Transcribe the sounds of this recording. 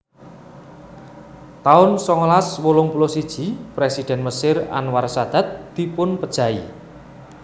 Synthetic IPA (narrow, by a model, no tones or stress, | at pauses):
t̪aʊnsɔŋɔlaswolʊŋpulɔsid̥ʒ̥i̤pɾesid̪̥ɛ̤nməsɪra̰nwarsad̪̥ä̤t̪̚d̪̥i̤pʊnpəd̥ʒ̥a̤i